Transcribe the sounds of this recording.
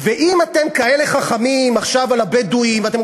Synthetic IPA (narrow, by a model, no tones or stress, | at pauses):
veʔimate̞mkae̞le̞χaχamimaχʃavalabeduimvat̪̬e